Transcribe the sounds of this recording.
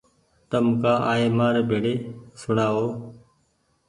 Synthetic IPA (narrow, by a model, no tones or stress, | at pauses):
t̪əmkaːʔaːeːmaːɾbʱeːɽeːsʊɳaːoː